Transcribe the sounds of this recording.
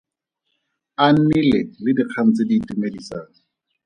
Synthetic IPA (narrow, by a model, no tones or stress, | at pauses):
an̩nilelɪdiq͡χʰam̩t͡sediːtimelisaːŋɪ